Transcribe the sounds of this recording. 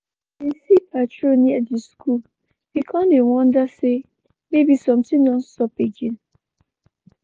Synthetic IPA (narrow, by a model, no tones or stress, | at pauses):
esipʰatɹoniadiskʰul | b̥ikʰɔ̃nlewɔ̃ndase | mebisɔ̃mtĩdɔ̃nstɔped͡ʒĩn